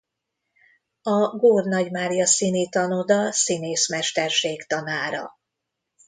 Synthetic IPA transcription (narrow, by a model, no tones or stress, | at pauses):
ɒɡoːrnɒɟmaːɾijɒsinit̪ɒnod̪ɒsineːsmɛrʃt̪ɛrʃeːkt̪ɒnaːɾɒ̰